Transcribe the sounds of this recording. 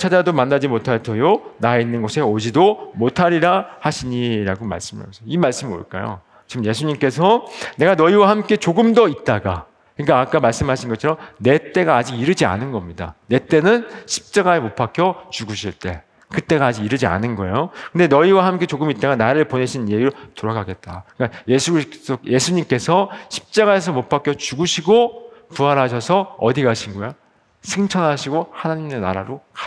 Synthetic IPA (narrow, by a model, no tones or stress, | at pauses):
t͡ɕʰad͡ʑadomanːad͡ʑimotʰaɭtʰojonaeinːɯnɡʌsʰe̞od͡ʑidomotʰaɾiɾahaɕʰiɲiɾa̰ɡoma̰ɭs͈ɯma̰sʰʌimaɭs͈ɯmo̰ɭk͈a̰jo̰ | t͡ɕimje̞sʰuɲimk͈e̞sʰʌne̞ɡanʌiwahamk͈e̞t͡ɕoɡɯmdʌit̚t͈aɡa̰ | kɯɲik͈aːk͈amaɭs͈ɯmɦaɕʰinɡʌt͡ɕʰʌɾʌmne̞t͈e̞ɡaːd͡ʑiɡiɾɯd͡ʑia̰nɯnɡʌmɲida̰ne̞t͈e̞nɯnɕʰi̥p̚t͡ɕ͈aɡaemopʰakʰjʌt͡ɕuɡuɕʰiɭt͈e̞ | kɯt͈e̞ɡaːd͡ʑiɡiɾɯd͡ʑia̰nɯnɡʌe̞̰jokɯnde̞nʌiwaɦamk͈e̞t͡ɕoɡɯmit͈̚aɡanaɾɯɭpone̞ɕʰinjeɡiɾotoɾʌɡaɡe̞t̚t͈aɯkaje̞sʰuɡɾioje̞sʰuɲimk͈e̞sʰʌɕʰi̥p̚t͡ɕ͈aɡae̞s̬ʰʌmopʰakʰjʌt͡ɕuɡuɕʰiɡopuaɾɦaɕʰʌsʰʌʌdiɡaɕʰinɡʌo | sʰeŋt͡ɕʰʌnɦaɕʰiɡohanaɲime̞na̰ɾa̰ɾokḁ